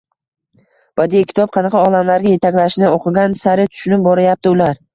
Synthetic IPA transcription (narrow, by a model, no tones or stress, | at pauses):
b̥ad̪ijakʲʰɪ̥t̪ʰɒp̚qʰɑnɑqʰɑɒlamlaɾɡʲaje̞t̪ʰakʲlaʃnɪoqʰɨɡʲansaɾɪt̪ʰʊ̥ʃnɪbɒɾajap̚t̪ɪʊlaɾ